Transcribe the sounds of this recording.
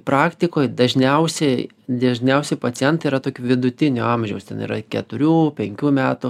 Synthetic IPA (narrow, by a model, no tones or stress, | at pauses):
pɾʔɑːkt̪ʲɪkoːjd̪ɐʒʲnʲɛʊsʲɛɪ | d̪ʲɐʒʲnʲɛʊsʲɛɪpɐt͡s̪ʲɪjɛnt̪ɐiːɾɐt̪oːkʲuːʋʲɪd̪ʊt̪ʲɪnʲʊɑmʲʒʲɛʊst̪ʲɛ̰nḭːɾɐkʲɛt̪ʊɾʲuːpʲɛŋʲkʲuːmʲæːt̪ʊ